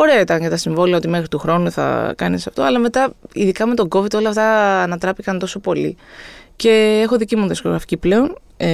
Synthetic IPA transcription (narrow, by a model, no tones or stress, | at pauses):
o̞ɾe̞ɐit̪ɐnʝɐt̪ɐsiɱvo̞liɐo̞t̪ime̞xɾit̪uxɾo̞nuθɐ̰kɐnisɐft̪o̞ɐlɐme̞t̪ɐḭðikɐme̞t̪o̞ɡo̞vid̪o̞lɐft̪ɐːnɐt̪ɾɐpikɐnt̪o̞so̞po̞lḭce̞exo̞ðicimuðisko̞ɣɾɐfi̥ciple̞o̞n